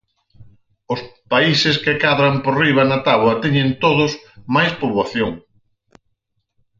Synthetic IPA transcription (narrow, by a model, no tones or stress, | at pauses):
ʊspaisɪskekaðɾamporiβ̞ɐnat̪aβwɐt̪ɛɲẽnt̪oðʊsmajspolaθjoŋ